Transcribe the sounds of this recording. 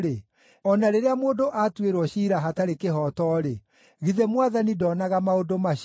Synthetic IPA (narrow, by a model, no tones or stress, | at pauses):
ɾe | ɔnaɾeɾeamoːdoʔatweɾwɔɕiːɾaɦataɾekeɦɔtɔːɾe | ɣiðɛmwaðanidɔːnaɣamaodoma